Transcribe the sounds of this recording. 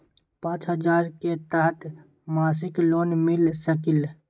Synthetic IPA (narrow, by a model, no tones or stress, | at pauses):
pãːt͡ʃɦəd͡ʒaːɾket̪əɦət̪ | maːs̬ɪkloːnmɪlsəkɪl